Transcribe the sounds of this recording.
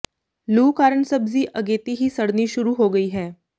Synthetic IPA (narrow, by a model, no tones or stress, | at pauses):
luːkaːɾəɳsəbziʔɐɡeːt̪iɦisɐɽniʃʊɾuɦoːɡəiːɦɛː